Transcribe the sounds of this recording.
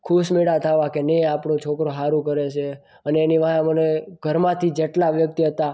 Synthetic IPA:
kʰuʃmeɽat̪ʰaʋãkeneapɳot͡ʃʰokɾoɦaɾũkəɾet͡ʃʰe | əneːniʋaãməneɡ̥ʱəɾmãt̪ʰid͡ʒeʈlaʋjək̚t̪iɦət̪a

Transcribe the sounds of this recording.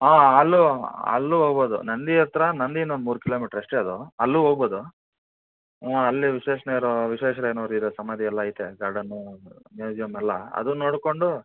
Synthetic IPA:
aːɐlːuɐ̰lːuɦoːɡboːd̪ṵnɐnd̪iɐɾt̪ɐɾɐnɐnd̪inond̪muːɾukilomiːʈɐɾeʂʈeɐd̪uɐlːuɦoːɡboːd̪u | ɐlːiʋiʃeːʂɐnejɐɾoʋiʃeːʂɐɾeːnoɾuid̪esɐmɐd̪iɛlːɐːjit̪eɡɐɽɐnːumjuːd͡ʒijɐmɛlːɐɐ̰d̪unoːɽko̞ɳɖu

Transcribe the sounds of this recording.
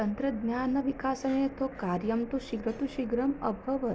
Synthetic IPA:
ɐnt̪ɾɐd̪njaːnɐʋikaːsɐnet̪okaɾjɐmt̪uʃiɡɾɐt̪uʃiɡɾɐmɐ̰bʱɐʋə

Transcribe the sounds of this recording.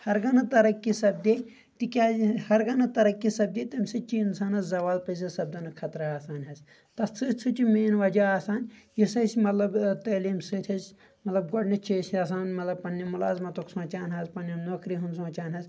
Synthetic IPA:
hɐɾɡɐnɐt̪ɐɾɐkːisɐb̚d̪ʲeː | t̪ikʲaːhɐɾɡɐnɐt̪ɐɾɐkːisɐb̚d̪eːt̪ɐmʲsɨt͡ʃiinsaːnɐszɐʋaːlpɐs̬ɐsɐb̚d̪ɐnɨkʰɐt̪ɾɐaːsaːnʲɦɐz | t̪ɐst͡sʰɨːtʲt͡sʰɨt͡ʃimeːnʋɐd͡ʒaaːsaːnʲjisɐsmɐt̪lɐbt̪əːliːmsɨːt̪ʰʲɐz | mɐt̪lɐb̚ɡoɖnɐt͡ʃʰisɐsaːnmɐt̪lɐbpɐnːimulaːzmɐt̪oksõːt͡ʃaːnɦɐzpɐnːenoːkɾiɦund̪sõːt͡ʃaːnʲɦɐz

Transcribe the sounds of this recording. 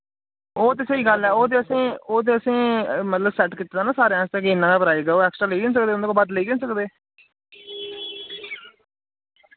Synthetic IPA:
oːt̪̬eːsəiːɡəlɛːoːt̪̬eːəsĩːoːt̪̬eːəsĩːmət̪ləbsɛːʈkit̪ːaːnãːsaːɾeãːst̪ẽːkeɪnːãːkaːpəɾaːeːɡːoːɛːksʈɾaːləiːɡ̪ɪns̬əkd̪eːond̪eːkoːbət̪ləiːɡ̪ensəkd̪eː

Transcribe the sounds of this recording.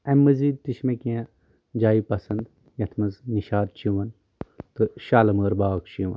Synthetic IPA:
emːɐziːd̪̚t̪iʃmẽkijã | d͡ʒaːipɐsɐnd̪ | jɐt̪ʰmɐzniʃaːd̪̚t͡ʃiʋɐn | t̪ɨʃaːlɐməːɾbaːkt͡ʃiʋɐ̰n

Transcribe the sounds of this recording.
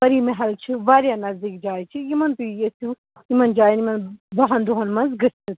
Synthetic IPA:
ɐɾiːmeɦɐlt͡ʃʰiʋaːɾjanɐzd̪iːk̚d͡ʒaːjit͡ʃʰijimɐnt̪ujesʰu | imɐnd͡ʒaːjnimɐnbɐɦɐnd̪uɦɐnmɐnzɡɨst̪ʰɨt̪

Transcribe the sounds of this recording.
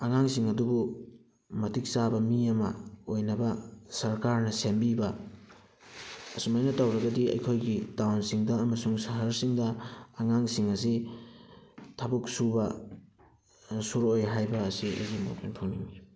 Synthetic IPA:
ɐŋaŋsiŋɐdubu | mɐtik̚sabɐmiɐmɐ̰ojnɐbɐsɐɾkaɾnɐsembibɐ | sumajnɐtawɾɐɡɐdiɐ̰jkʰojɡidawnsiŋdɐːmɐsuŋsɐɦɐɾsiŋdɐːŋaŋsiŋɐsi | tʰabuk̚subɐ | suɾojɦajbɐːsiḛzimo̰pʰenpʰoŋniŋmi

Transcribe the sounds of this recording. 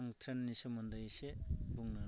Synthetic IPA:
ŋtʰɾenːisɔmɔndajsebuŋna

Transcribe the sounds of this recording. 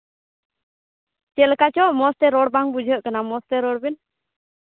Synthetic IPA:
t͡ʃɛlkat͡ʃɔʔmɔst̪ɛɾɔɽbaŋbud͡ʒʱəʔkanamɔst̪ɛɾɔɽbin

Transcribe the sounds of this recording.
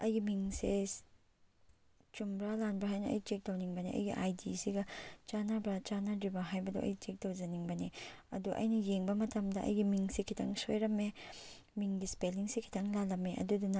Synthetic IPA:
ɐjɡimiŋse | t͡ʃumbɾalanbɾaɦajnɐʔɐ̰jt͡ʃek̚dawniŋbɐniʔɐ̰jɡiʔajdisiɡɐt͡ʃanabɾat͡ʃanadibaɦajbɐdo̰ʔɐ̰jt͡ʃek̚dawd͡ʒɐniŋbɐniɐ̰duʔɐ̰jnɐjeŋbɐmɐtʰɐmdɐʔɐ̰jɡimiŋsikʰitʰɐŋsojɾɐme | miŋɡispeliŋsikʰi̥tʰɐŋlalɐmeʔɐ̰dudunɐ

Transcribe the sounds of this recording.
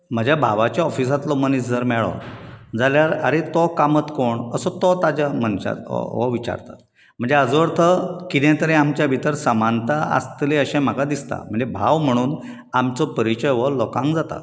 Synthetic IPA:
m̤əd͡ʑabʱaʋat͡ɕjaɔfis̬at̪lɔmənisd͡zʱəɾmɛɭɔ̰d͡zaljaɾa̰ɾit̪ɔkamət̪koɳəsɔt̪ɔt̪ad͡ʑam̤ənɕa̰t̪ʋɔ̰ʋit͡ɕa̰ɾt̪a̰t̪ | m̤əɳd͡zeaəd͡zʋɾt̪ʰəkit̪ẽt̪əɾɛ̃amt͡ɕjabʱit̪əɾsəmant̪aa̰st̪leəɕɛ̃m̤akad̪ist̪a̰m̤əɳd͡zebʱaʋm̤əɽ̃uːn | amt͡sɔpəɾit͡ɕəjʋɔlɔkãŋkd͡zat̪a̰

